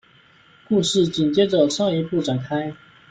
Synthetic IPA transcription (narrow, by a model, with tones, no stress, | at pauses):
ku˥˧ʂɻ̩˥˩t͡ɕi˨˩nt͡ɕjɛ˥ʈ͡ʂə˨˩ʂʰɑ˥˩ŋi˧˥pu˥˩ʈ͡ʂa˨˩nkʰa˥ɪ